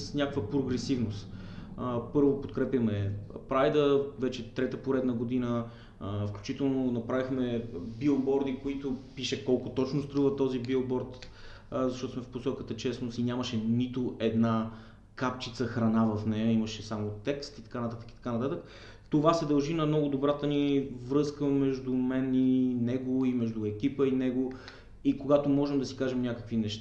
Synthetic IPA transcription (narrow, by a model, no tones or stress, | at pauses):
snʲakəkvəpɾoɡɾɛsivnʊst̪ | pɤɾvopot̪kɾɛpjɐmɛpɾajd̪əvɛt͡ʃɛt̪ɾɛt̪əpoɾɛd̪nəɡod̪inə | fklʲut͡ʃit̪ɛlˠnonɐpɾavixmɛbiobɔɾd̪ikoit̪opiʃɛkɔlˠkʊt̪ɔt͡ʃnʊst̪ɾuvət̪ɔzibiobɔɾt̪ | zɐʃt̪ɔt̪ʊsmɛfposɔkət̪ət͡ʃɛsnʊsinʲaməʃɛnit̪oʔɛd̪na | kapt͡ʃit̪səxɾɐnavɐfnɛjəiməʃɛsamot̪ɛkst̪it̪ɐ̥kanɐt̪at̪ə̥kit̪ɐ̥kanɐt̪at̪ək | t̪ovasɛd̪ɐlˠʒinɐmnɔɡʊd̪obɾat̪ənivɾɤskəmɛʒd̪umɛninɛɡoimɛʒd̪ʊɛkʲipəinɛɡo | ikoɡat̪omɔʒɛmd̪ɐsi̥kaʒɛmnʲjakəkvinɛʃt̪a